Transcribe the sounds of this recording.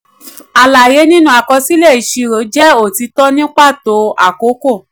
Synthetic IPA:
a˨la˨je˨˦nĩ˦nũ˦˨a˨kɔ˧si˦lɛ˦˨i˨ʃi˧ɾo˨˦d͡ʒɛ˦o˦˨ti˧˦tɔ˦nĩ˦k͡pa˦˨to˨˧˦a̰˦˨ko˨˦ko˦˨

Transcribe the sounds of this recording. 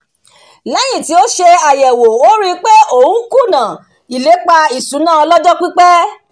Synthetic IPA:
lɛ˨˦jĩ˦˨ti˨˦o˦ʃe˧a˨jɛ˨wo˨o˦ɾi˦˧k͡pe˦o˦˨ũ˦ku˦˨nã˨ | i˨le˨˦k͡pa˧i˨sũ˨˦nãː˦˨ɔ˧lɔ˦d͡ʒɔ˦k͡pi˦k͡pɛ˦

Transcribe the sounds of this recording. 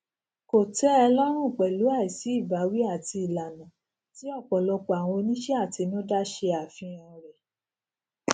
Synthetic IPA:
ko˨tɛ˨˦ɛ˧lɔ˦ɾ̃ũ˦˨k͡pɛ˨lu˨˦a˦˨i˨si˨˦i˦˨ba˨˦wi˦a˦˨ti˧i˨la˨nã˨ | ti˨˦ɔ˦˨k͡pɔ˨lɔ˧k͡pɔ˨a˨w̃ɔ̃˧o˧nĩ˦ʃɛ˦a˦˨ti˧nũ˦da˦ʃe˧a˨fĩ˧ɔ̃˧˨ɾɛ˨

